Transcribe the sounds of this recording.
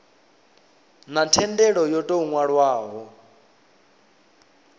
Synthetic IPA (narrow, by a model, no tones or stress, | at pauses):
natʰɛndɛɺɔjɔtʼouŋwaɺwaːɦɔ